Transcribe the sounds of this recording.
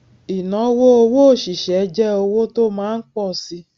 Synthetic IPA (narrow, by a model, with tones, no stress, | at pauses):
i˨nɔ˨˦wo˦o˧wo˦o˦˨ʃi˨ʃɛ˨˦d͡ʒɛ˦o˧wo˦to˦mãː˨˦n̩˦k͡pɔ˦˨si˧